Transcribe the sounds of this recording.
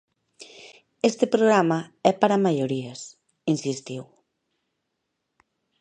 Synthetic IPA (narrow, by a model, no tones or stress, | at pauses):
est̪epɾoɣɾamaɛpaɾamaʎoɾies | insist̪iw